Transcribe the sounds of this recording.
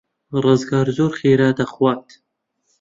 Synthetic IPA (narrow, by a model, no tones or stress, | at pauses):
rɨzɡɑːɾzoːɾχeːɾaːd̪ɐχwɑːt̪